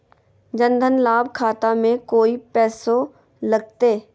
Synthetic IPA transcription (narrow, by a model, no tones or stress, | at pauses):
d͡ʒə̃nd̪ʱənlaːbʱkʰaːt̪amẽkoːipɛːso | ləɡ̚t̪eː